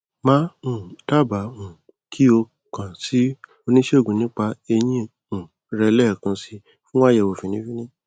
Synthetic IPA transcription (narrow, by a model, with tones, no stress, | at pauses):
mã˦ũ˦˨ta˦˨ba˨˦ũ˨ | kʰi˦o˧ | kã˨si˨˦ | o˧nĩ˦ʃe˦o˦˨ɡũ˨nĩ˨˦k͡pa˧e˧j̃ĩ˦ | ũ˨ | ɾɛ˧lɛ˦˨kã˧si˧ | fũ˦wa˦jɛ˧˨wo˨fĩ˨nĩ˨˦fi˦nĩ˦